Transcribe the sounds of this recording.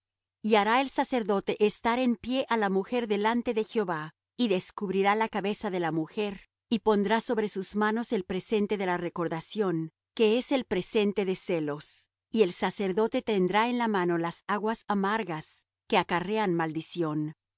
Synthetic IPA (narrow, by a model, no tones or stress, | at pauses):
iaɾae̞lsase̞ɾðo̞t̪e̞ʔest̪aɾe̞mpje̞ʔalamuxe̞ɾðe̞lant̪eðe̞xjoβa | iðe̞skuβɾiɾalakaβe̞saðe̞lamuxe̞ɾ | ipo̞nd̪ɾaso̞βɾe̞suzmano̞se̞lpɾe̞se̞nt̪e̞ðe̞lare̞ko̞ɾðasjo̞n | ke̞ese̞lpɾe̞se̞nt̪e̞ðe̞se̞lo̞s | ie̞lsase̞ɾðo̞t̪e̞t̪e̞nd̪ɾae̞nlamano̞lasaɣwasamaɾɣas | ke̞akare̞anmald̪isjo̞n